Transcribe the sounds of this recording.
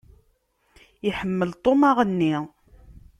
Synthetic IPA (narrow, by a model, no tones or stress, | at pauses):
iħəmːəlt̪ˤomaʁənːi